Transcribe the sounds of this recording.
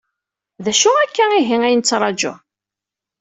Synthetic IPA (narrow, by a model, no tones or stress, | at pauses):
ðæʃuækːæiɦiŋæjnət͡sːɾˤɑd͡ʒʊ̰